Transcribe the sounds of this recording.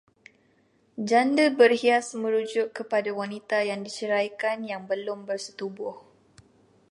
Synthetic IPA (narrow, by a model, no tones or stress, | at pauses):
d͡ʒandəbərhiasmə̃ɾud͡ʒʊʔkəpadawanit̪ajaŋdit͡ʃəɾajkanjaŋbəlʊmbərsə̥t̪ubʊh